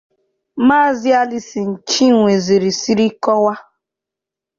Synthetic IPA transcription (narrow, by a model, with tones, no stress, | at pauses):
ma˦˨zi˦a˦li˦si˨n̩˨t͡ʃi˦˨ŋʷe˨zi˨ɾi˨si˦ɾi˦kɔ˦wa˦